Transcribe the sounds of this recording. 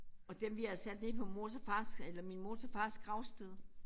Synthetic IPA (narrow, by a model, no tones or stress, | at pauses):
ɒ̽d̥emʋiæsæd̥ne̝pʰɒ̽mo̝ːt͡sʰɐfɑ̈ːselɐminmo̝ːt͡sʰɐfɑ̈ːsɡ̥ʁɑ̈ʊsd̥eð̞ˠ